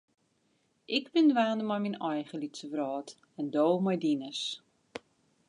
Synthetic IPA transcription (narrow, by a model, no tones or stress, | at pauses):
ʔɪkbɪndʋaːndəmɔjminɔjχəlitsəʋrɔːt | ɛndoːmɔjdinəs